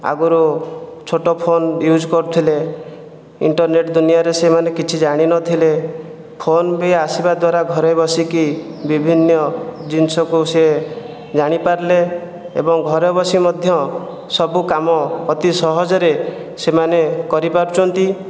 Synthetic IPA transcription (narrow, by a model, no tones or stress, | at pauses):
a̰ɡuɾut͡ʃʰoʈɔpʰonjud͡ʒkɔɾut̪ʰile | iɳʈɔɾneʈd̪unijaɾesemanekit͡ʃʰid͡ʒaɽ̃inɔt̪ʰile | pʰonbeasibad̪waɾaɡʱɔɾebɔsiki | bibʱinːɔd͡ʒinsɔkuse | d͡ʒaɽ̃ipaɾle | ḛbɔŋɡʱɔɾɔbɔsimɔd̪ʱjɔ | sɔbukamɔːt̪isɔɦɔd͡ʒɔɾesemanekɔɾipaɾt͡ʃʰɔnt̪i